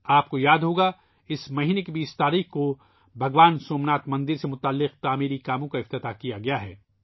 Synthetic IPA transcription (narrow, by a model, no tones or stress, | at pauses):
aːp̚kojaːd̪ɦoːɡa | ɪsmɐɦiːnekebiːst̪aːɾiːxko | bʱɐɡʋaːnsoːmnaːt̪mɐ̃nd̪ɪɾsemʊt̪aːlːɪqt̪aːmiːɾikaːmõkaɪft̪ɪt̪akijaɡɐjaɦɛː